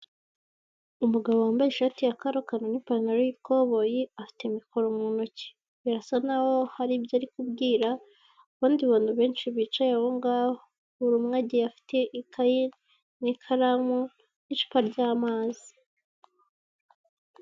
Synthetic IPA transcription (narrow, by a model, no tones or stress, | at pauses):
umuɡaβowaːmbajeʃatijakaɾokanonipaɾnaɾojikoβojiafi̥te̞miko̞ɾomŋunoci̥ | iɾasanaho̞haɾibjaːɾikubɡiːɾa | βaːndiβaːnuβe̞ːnʃiβiːt͡ʃajehoŋɡaːho | uɾumŋaɟijafi̥teʔikʰaji | nikʰaɾamo | niʃu̥paɾɟaːmaːzi̥